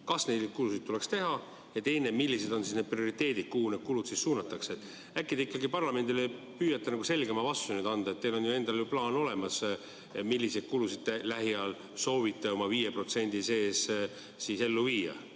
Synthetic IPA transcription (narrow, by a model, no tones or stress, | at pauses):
kɑsne̞jd̪kulusid̪̚t̪ule̞kst̪e̞ɦɑ | jɑt̪e̞jne̞milːise̞d̪̥o̞nsisne̞̥prio̞ɾit̪ːe̞ːd̪id̪̥̚kuhune̞d̪̥kulud̪sisːuːnɑt̪ːˑɑkseet̪ːˑ | ækːˑid̪eikːˑɑɡipɑrlɑme̞nd̪ilepyːjɑt̪ːɑnɑɡuse̞lɡemɑvɑst̪unyd̪̥ɑnd̪̥ɑet̪ːe̞jlo̞njue̞nd̪̥ɑljuplɑːno̞le̞mɑs | milːised̥̪̚kulusid̪̥̚t̪elæɦiɑl | so̞ːvit̪ːˑeo̞mɑviːjepro̞t̪se̞nʲd̪̥ise̞ːs | siːse̞lːuviːjɑ̰